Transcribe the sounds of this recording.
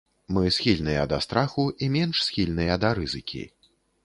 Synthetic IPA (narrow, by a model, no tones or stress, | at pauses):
mɨsʲxʲilʲnɨjɐ̰d̪ɐst̪ɾaxuʔimʲɛnʂsʲxʲilʲnɨjɐd̪ɐɾɨzɨkʲḭ